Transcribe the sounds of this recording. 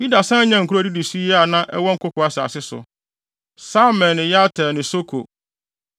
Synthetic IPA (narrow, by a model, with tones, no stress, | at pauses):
ju˦da˨sã˦ɲã˨ŋ̩˨kʰu˦ɾo˦˨di˦di˨si˦jɛ˦a˨nã˦ʔɛ˦wɔ˦ŋ̩˦kʊ˦kʊ˨a˦sɪ˨a̰˨sɪ˦sʊ̰˨ | sa˦mɛ̃˨nɪ̃˨ja˦tʰɛ˨nɪ̃˨so˦kʰo̰˨